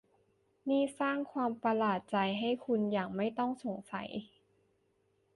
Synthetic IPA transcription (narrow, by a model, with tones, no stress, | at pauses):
niː˥˩saː˥˩ŋkʰwaː˧mpa˧laː˨˩t̪̚t͡ɕa˧jɦa˥˩jkʰu˧njaː˨˩k̚ma˥˩jt̪ɔ˥˩ŋso˨˩˦ŋsa̰˩˦j